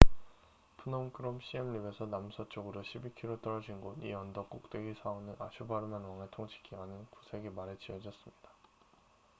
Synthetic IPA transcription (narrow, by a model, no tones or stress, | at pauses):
pʰunʌmkʰɯɾomɕ͈iemlibe̞sʰʌnamsʰʌt͡ɕ͈oɡɯɾoɕʰibikʰiɾot͈ʌɾʌd͡ʑinɡoniʌndʌk͈uk̚t͈we̞ɡisʰaonɯnaɕʰubaɾɯmanwaŋɯɭtʰoŋt͡ɕʰi̥kʰiɡanɯnkusʰe̞ɡimaɾet͡ɕiʌd͡ʑʌs͈ɯmɲid̥a